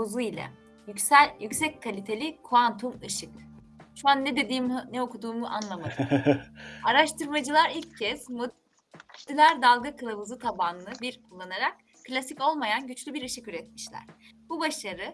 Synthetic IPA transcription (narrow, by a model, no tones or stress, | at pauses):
uzuilʲɛ̰ | jyc̪æjycsɛc̚kʰalʲit̪ʰe̞lʲikʰuant̪ʰumɯʃɯk | ʃuanːɛd̪e̞d̪iːmnɛokud̪uːmuʔa̰nlˠamad̪ | aɾaʃt̪ʰɯɾmad͡ʒɯlˠaɾilʲcʰːɛz̥mo | ilʲæɾd̪alˠɡakʰɯlˠavuzɯt̪ʰabanlˠɯbiɾkʰulˠːanaɾak | kʰːlʲasico̞lˠmajanɟyt͡ʃlʲybiɾɯʃɯkyɾɛt̪̚miʃlʲæ̰ɾ̥bubaʃaɾɯ